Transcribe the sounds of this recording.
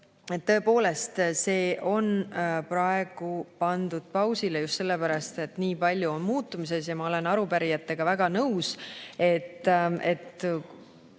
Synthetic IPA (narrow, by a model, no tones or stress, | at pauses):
e̞t̪ːɤ̞e̞po̞ːle̞st̪se̞ːʔo̞nprɑe̞ɡ̥upɑnd̪ud̪̥̚pɑwsilejust̪se̞lːe̞pæɾɑst̪e̞t̪niːpɑlʲjuonmuːt̪ːˑumise̞sjɑmɑo̞le̞nɑɾupæɾijɑt̪ːe̞ɡ̥ɑvæɡ̥ɑnɤwse̞t̪ːe̞t̪ː